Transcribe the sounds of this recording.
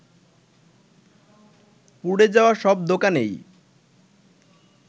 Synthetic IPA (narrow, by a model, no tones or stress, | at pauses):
puɽed͡ʑaoaʃɔb̚d̪okanḛj